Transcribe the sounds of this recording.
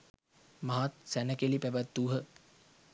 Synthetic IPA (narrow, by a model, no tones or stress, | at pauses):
mɐɦat̪̚sænəkelipæʋət̪ːuːɦə